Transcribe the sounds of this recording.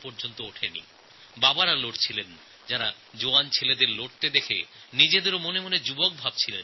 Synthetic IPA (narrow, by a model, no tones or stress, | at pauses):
poɾd͡ʑont̪ooʈʰenḭ | babaɾaloʈt͡ɕʰilen | d͡ʑaɾa | d͡ʑoant͡ɕʰeled̪eɾloʈ̚t̪ed̪ekʰḛ | nid͡ʑed̪eɾomonemoned͡ʑubok̚bʱab̚t͡ɕʰilen